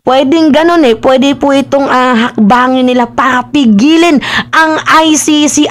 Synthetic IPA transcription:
pwɛːd̪ɪŋɡɐno̞nɛpwɛːd̪ɪpʊʔɪt̪oŋaɦɐk̚baːŋɪnːɪlapaɾɐpɪɡiːlɪnʔɐŋʔajsisiʔ

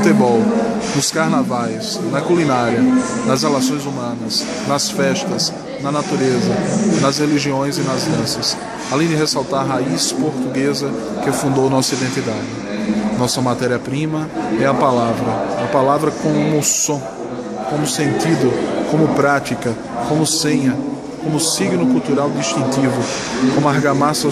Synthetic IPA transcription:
t̪ebɔw | nʊskaɾnavajs | nɐkulinaɾjɐnɐzhelasõj̃zumɐ̃nɐs | nɐsfɛʃt̪ɐs | nɐnat̪uɾezɐnɐzheliʒiõj̃zɪnɐzdɐ̃sɐs | alẽj̃d͡ʒɪɦesawt̪aɾɦaispoɾt̪uɡezɐ | kɪfũnd̪ownɔsɐid̪ẽnt̪id̪ad͡ʒɪnɔsɐmat̪ɛɾiɐpɾĩmɐɛɐpalavɾɐɐpalavɾɐkõmʊsõ | kõmʊsẽnt̪id̪ʊkõmʊpɾat͡ʃ̪ikɐ | kõmʊsẽɲɐ | kõmʊsiɡnʊkuwt̪uɾawd̪iʃt̪ĩnt̪ivʊ | kõmʊaɾɡamasɐ

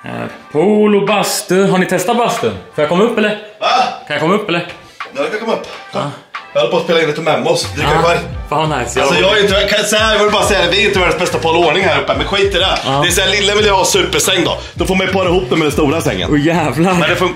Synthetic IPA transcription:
pʰaːlʊbast̪ɵɦaɳɪt̪ʰɛst̪at̪̚bast̪əkʰajakʰɔmːaɵpːɛlːəɾakʰanjakʰɔmːaɵpːɛlːəɾ | d̪ɛhaɾɪnjakʰɔmːaɵpː | jɑhɔlːəpɔːspeːlɪnːɛt̪ʰɪlmɛmːʊsd̪ɾɪɛɾfaːvnaɪsjalsɔjɑːɡaɾɪnt̪ːəvkʰasɔhæɾjɑvɪlːəbɑːɾasɛjad̪ɛæɾɪnt̪əvæːɖənsbɛst̪afɑːloːɳɪŋhæːɾɵpːəmɛnɧiːt̪ədɛɛːsælɪlːəvɪljahɑsʉ̟ːpəʂɛŋːd̪ɔ̰ | d̪ɔfoːɾmajpʰɑːɾaɪhuːp̚d̪ɛmɛd̪ɛnst̪uːɾasɛ̰ŋːə̰nʊjæːvlaɛd̪ɛfɔ

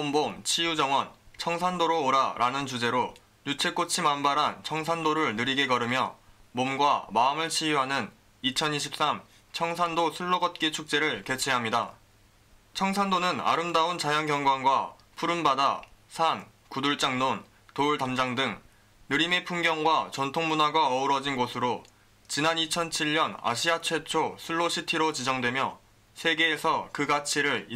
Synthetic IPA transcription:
ombomt͡ɕʰijud͡ʑʌŋwʌnt͡ɕʰʌŋsʰandoɾoːɾaɾʔanɯnt͡ɕud͡ʑe̞ɾo | jut͡ɕʰe̞k͈ot͡ɕʰimambaɾɦant͡ɕʰʌŋs̬ʰandoɾɯɭnɯɾiɡe̞kʌɾɯmjʌ̰momɡwamaɯmɯɭt͡ɕʰijuɦanɯn | it͡ɕʰʌniɕʰip̚s͈am | t͡ɕʰʌŋsʰandosʰuɭːoɡʌt̚k͈it͡ɕʰuk̚t͡ɕ͈e̞ɾɯɭke̞t͡ɕʰeɦamɲida | t͡ɕʰʌŋsʰandonɯna̰ɾɯmdaunt͡ɕajaŋkjʌŋɡwaŋɡwa | pʰuɾɯmbadasʰan | kuduɭt͡ɕ͈aŋnon | touɭtamd͡ʑaŋdɯŋ | nɯɾimepʰuŋɡjʌŋɡwat͡ɕʌntʰoŋmunaɡaʌuɾʌd͡ʑinɡosʰɯɾo | t͡ɕinanit͡ɕʰʌnt͡ɕʰiʎːʌna̰ɕʰiat͡ɕʰwe̞t͡ɕʰosʰuɭːoɕʰitʰiɾot͡ɕid͡ʑʌŋdwe̞mjʌ | sʰe̞ɡe̞ːsʰʌkɯɡat͡ɕʰiɾɯɭi

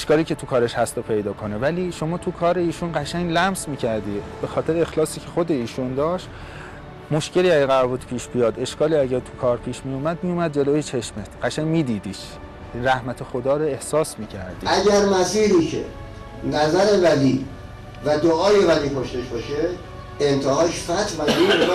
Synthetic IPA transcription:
ʃkɒːliːcʰe̞t̪ʰukʰɒːɾeʃhæst̪opʰe̞jd̪ɒːkʰo̞nevæliːʃo̞mɒːt̪ʰukʰɒːɾe̞iːʃunɢæʃæɲlæmsmiːcʰæɾd̪iːbe̞xɒːt̪ʰe̞ɾeexlɒːsiːcʰexod̪e̞iːʃund̪ɒːʃt̪ | mo̞ʃce̞liːæɟeɣævut̪pʰiːʃbijɒːd̪e̞ʃkɒːliːæɟæɾt̪ʰukʰɒːɾpʰiːʃmijumæd̪mijumæd̪̚d͡ʒe̞loːjet͡ʃʰe̞ʃmet̪ɢ̥æʃæɲmiːd̪iːd̪iːʃ | ɾæhmæt̪ʰexod̪ɒːɾoe̞hsɒːsmiːcʰæ̰ɾd̪ḭːʔæɡæɾmæsiːɾiːcʰḛ | næzæɾe̞væliː | væd̪oʔɒːjevæliːkʰoʃt̪e̞ʃbɒʃe | ent̪ʰehɒːʃfæt̪ʰvæim

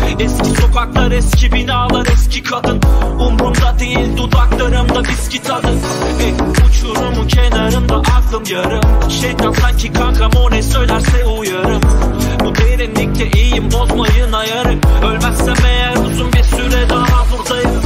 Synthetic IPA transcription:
ɛscʲʰisokʰaklˠaɾɛscʰʲibinialˠaɾɛscʰikʰad̪ɯnumɾumd̪ad̪ejilʲd̪ud̪aklˠaɾɯmd̪abiscʲit̪ʰad̪ɯn | beniut͡ʃʰuɾumucʰɛnaɾɯmd̪aʔat̪ˠɯnjaɾɯmʃejd̪aksaɲcʰikʰakʰamonɛsøjlʲæɾsɛujaɾɯmbud̪eɾinlic̚ʲlɛʔejimbozmajɯnajaɾɯmølʲmæssɛmɛjɛɾusumbisyɾɛd̪aɦabuɾd̪ajɯm

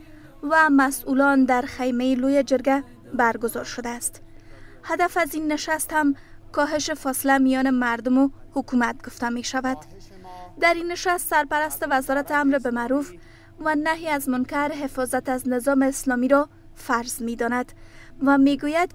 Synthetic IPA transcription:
vamasulɔnd̪aɾxajmajilojad͡ʒɪɾɡa | baɾɡʊzɒɾʃʊd̪aːst̪ | had̪afazinːɪʃast̪hamkɔɦɪʃɪfɔsɪlamijɔnɪmaɾd̪ʊmʊhʊkumat̪̚ɡʊft̪ameʃavad̪ | d̪aɾinːɪʃast̪saɾpaɾast̪ɪvazɔɾat̪ɪamɾbɪmaɾuf | vanaɦiazmʊnkaɾɦɪfɔzat̪aznɪzɒmɪːslɔmiɾɔ | faɾz̥med̪ɔnad̪vameɡujad̪

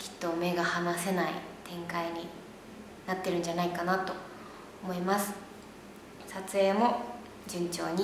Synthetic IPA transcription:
kʲʰi̥t̪ːo̞me̞ɡahanase̞naḭt̪ʰẽ̞ŋkaiɲ̟i | nat̪ːe̞ɾɯ̟̃ɲ̟d͡ʑanaikanat̪o̞ | omo̞imasɨ̥ | sat͡sɨe̞ːmo̞ | d͡ʑɯ̃ɲ̟t͡ɕo̞̰ːɲ̟i

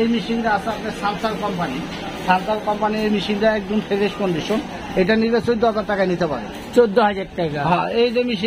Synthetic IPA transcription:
ejmiʃiŋʈaasapnesaɾsalkɔmpani | saɾsalkɔmpaniejmiʃiŋʈaɛk̚d͡ʑonfʰeɾeʃkonɖiʃon | ejʈaniɾesoid̪oɦazaɾʈakajnit̪epa̰ɾḛ | t͡ɕod̪ːoɦad͡ʑaʈ̚ʈajkaɦãejd͡ʑemiʃi

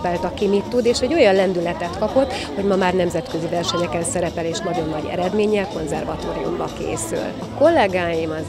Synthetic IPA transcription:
pɛlt̪ɒkimit̪ːud̪eːʃɛɟːo̞jɒnlɛnd̪ylɛt̪ɛt̪kɒpo̞t̪ː | ho̞ɟmɒmaːrnɛmzɛt̪kø̞zivɛrʃɛɲɛkɛnsɛɾɛpɛleːʃnɒɟo̞nːɒɟɛ̰ɾɛd̪meːɲːɛlko̞nzɛrvɒt̪o̰ːɾiṵmbɒkḛːsy̰lɒko̞lːɛɡaːjimɒz

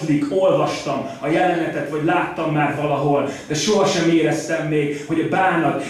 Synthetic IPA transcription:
t̪liko̞lvɒʃt̪ɒm | ɒjɛlɛnɛt̪ɛt̪vɒɟlaːt̪ːɒmːaːrvɒlɒɦo̞ld̪̥ɛʃoɦɒʃɛmeːɾɛst̪ɛmːeːɡho̞ɟɒbaːnɒt̪

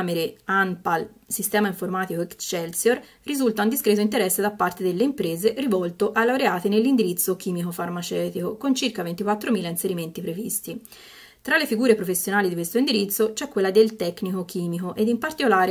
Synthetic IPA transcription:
meɾeanpal | sist̪ɛːmaiɱformaːt̪ikoekt͡ʃɛlsjor | rizult̪aund̪iskɾɛːt̪̬oint̪eɾɛsːed̪apːart̪ed̪elːeimpɾeːzerivɔlt̪oʔalːaoɾeaːt̪enelːind̪iɾit̪sːok̟iːmikofarmat͡ʃɛːt̪ikokont͡ʃirkavent̪ikwat̪ːɾomiːlainseɾiment̪ipɾevist̪i | t̪ɾalːefiɡuːɾepɾofesːjonaːlid̪ikwest̪oind̪iɾit̪sːot͡ʃɛkːwelːad̪elt̪ɛkːnikok̟iːmikoʔed̪impart̪ikolaːɾe

